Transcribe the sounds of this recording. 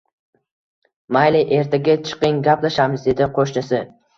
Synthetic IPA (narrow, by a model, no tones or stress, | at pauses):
majlijʔeɾt̪ʰeɡʲat͡ʃʰɨ̥qɨŋɡʲaplaʃamɪzd̪e̞d̪ɪqʰoʃnɪsɪ